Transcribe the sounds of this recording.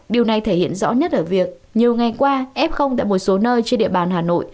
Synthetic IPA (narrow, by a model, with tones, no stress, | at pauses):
ɗi˨˩əwna˨˩jt̪ʰe˧˩hḭ˧˨ənzɔ̰˧˥ɲə˦˥t̚ʔəː˧˩vi˨˩ək̚ | ɲi˨˩əwŋa˨˩jkwaː˧ʔɛ˦˥p̚xə˧wŋ͡mt̪a̰ː˧˨jmo˨˩t̚so˨˦nəː˧jt͡ɕe˧nɗḭ˧˨əɓaː˨˩nɦaː˨˩no̰˧˨j